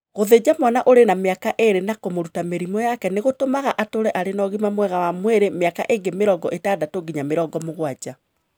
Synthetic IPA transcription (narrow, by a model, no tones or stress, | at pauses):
ɣoðed͡ʑamwanaʔoɾenameakaʔeɾenakomoɾutameɾimɔjakɛneɣotomaɣaʔatoɾɛʔaɾenɔɣimamwɛɣawamweɾemeaka̰ʔeŋɡemeɾɔɡɔʔetadatoɡiɲameɾɔɡɔmoɣwad͡ʑa